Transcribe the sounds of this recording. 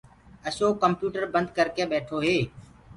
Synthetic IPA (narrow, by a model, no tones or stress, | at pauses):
əʃoːkəmpjuːʈəɾbənd̪̚ʱkəɾkeːɓeːʈʰoːɦeː